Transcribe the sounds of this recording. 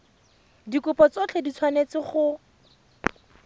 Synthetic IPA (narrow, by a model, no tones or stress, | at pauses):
dikʊpɔt͡sɔt͡ɬʰedit͡sʰwanet͡sɪχʊ